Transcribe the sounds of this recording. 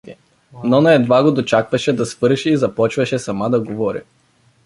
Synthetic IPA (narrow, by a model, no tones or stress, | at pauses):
i | nɔnɐɛd̪vaɡod̪ot͡ʃakvɐʃɛd̪ɐsvɤɾʃɛizɐpɔt͡ʃvɐʃɛsɐmad̪ɐɡovɔɾḭ